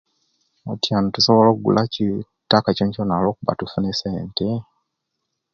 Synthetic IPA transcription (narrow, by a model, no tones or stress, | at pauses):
otjanotusoβolokuɡṵlʔaci | tːakacoɲconalo̞ːkuβa̰tufuneseːnte